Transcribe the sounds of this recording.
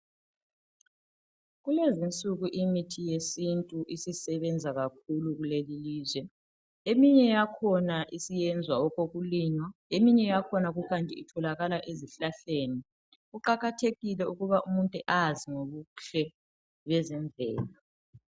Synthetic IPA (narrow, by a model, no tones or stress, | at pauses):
ɣulezint͡sʼuɣuʔimitʰijesintʼuʔisisɛβɛnd͡zʱaɣak̚ʰuluɣuleliliːzwɛ | emiɲɛjakʰɔnaʔisijɛnd͡zʱwaɔɣoɣuliːɲwaemiɲɛjakʰɔnaɣukʰantʼiitʰɔlaɣalaʔeziɬaɬeːni | ɣuǃaɣatʰeɣilɛuɣuβaʔumuntʼuʔaziŋoβuɬɛ | βɛzɛɱvʱɛ̰ːla